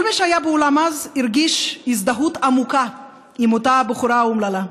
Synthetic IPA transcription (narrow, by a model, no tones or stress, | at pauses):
kolmiʃhajabeolamaziɾɡiʃizd̪aɦut̪amuka | imot̪abeχuɾaumlala